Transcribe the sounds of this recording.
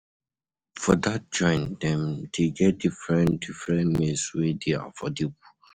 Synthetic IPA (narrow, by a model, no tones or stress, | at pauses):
fɔdat̚d͡ʒɔ̃ɪ̃ndɛ̃mdeɡɛt̚difɹɛ̃ndifɹɛ̃nmeswidea̰fɔdebu̥